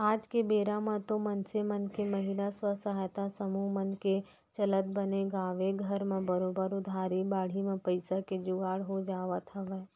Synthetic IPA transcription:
aːd͡ʒkebeːɾamə̃t̪õmɐnsemɐnkemɐɦɪlaswəsəɦajt̪asəmumɐnke | t͡ʃɐlət̪̚bəneɡaːʋeɡʱɐɾmẽbəɾoːbəɾʊd̪ʱaːɾibaːɽ̤imẽpəɪsaked͡ʒʊɡaːɽɦod͡ʒaːʋat̪ʰɐʋɛ

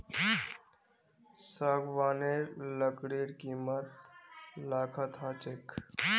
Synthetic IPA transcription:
saɡʋaːneləkɽiːɾkiːmət̪laːkʰət̪ɦat͡ʃek

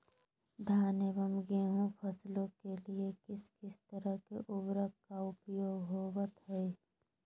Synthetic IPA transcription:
d̪ʱaːnebəmɡeːɦũpʰɐslõkeliekɪskɪst̪əɾəɦkeʔʊbɾəkkaʊpjoːɡɦoːwət̪ɦɛe

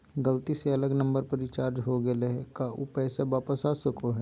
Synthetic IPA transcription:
ɡəlt̪iseɐləɡnɐ̃mbəɾpəɾit͡ʃaːɾd͡ʒɦoɡəleɦɛkaʔʊ̰pɛːsaʋaːpəsaːsɐkoɦɛː

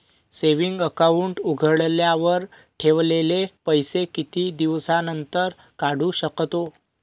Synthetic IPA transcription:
seʋiŋɡəkauɳʈuɡʱəɭljaʋəɾ | ʈʰeʋlelepəjsekit̪iːd̪iʋsanənt̪əɾ | kaɽ̤uɕəkt̪o

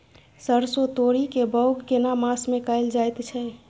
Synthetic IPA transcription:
səɾsot̪oɾikebəʊɡːenamasmekaɪld͡ʒajt̪t͡ʃʰɛ

